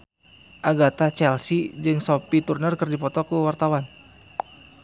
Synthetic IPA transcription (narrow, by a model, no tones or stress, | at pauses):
ʔaɡat̪at͡ʃɛlsid͡ʒɨŋsɔpit̪urnərkərdipɔt̪ɔkuwart̪awan